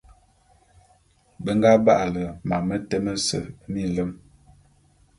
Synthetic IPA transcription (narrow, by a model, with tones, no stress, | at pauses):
bə˦ŋ˦ɡa˦ba˦ʔa˨lə˨ma˨mə˦tə˦mə˦sə̰˨˦mi˦˨lə˦m